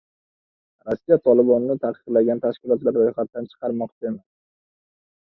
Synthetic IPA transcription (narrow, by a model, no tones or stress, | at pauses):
ɾosːijat̪ʰɒlˠɪbɒnnɪt̪ʰaqɨ̥qlˠaɡʲant̪ʰaʃkʲɪlˠɒt̪laɾɾojχat̪ːant͡ʃʰɨ̥qʰɑɾmɒqt͡ʃɪm